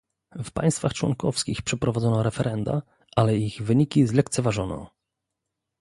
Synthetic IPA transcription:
fpa̰j̃st̪faxt͡ʂwɔ̰ŋkɔfskʲixpʂɛpɾɔvad̪zɔnɔɾɛfɛɾʔɛnd̪a̰ | ʔalɛiɣvɘɲikʲizlɛkt̪sɛvaʐɔnɔ̰

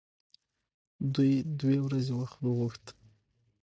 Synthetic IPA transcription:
d̪ujd̪wewɾazewaxt̪wəɣuxt̪

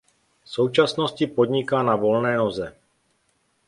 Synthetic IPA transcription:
sowt͡ʃasnoscipod̪ɲɪkaːnavolnɛːnozɛ

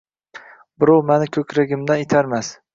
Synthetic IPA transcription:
bɪɾɒwmanɪkʲʰɵkʰʲɾaɡʲɪmd̪anet̪ʰaɾmas

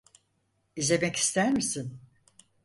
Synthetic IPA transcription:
ize̞mɛki̥st̪ʰæɾmisin

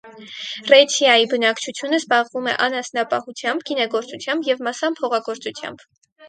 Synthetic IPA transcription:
rɛt͡ʃʰjɑjibənɑkt͡ʃʰut͡sʰjunəzbɑʁvumɛ̰ʔɑnɑsnɑpɑhut͡sʰjɑmbɡinɛɡɔɾt͡sut͡sʰjɑmbjɛvmɑsɑmpʰɔʁɑɡɔɾt͡sut͡sʰjɑ̰mb̥

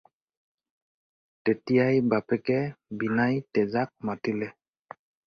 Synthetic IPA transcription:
tetijajbapɛkɛbinajtɛzak̚matilɛ

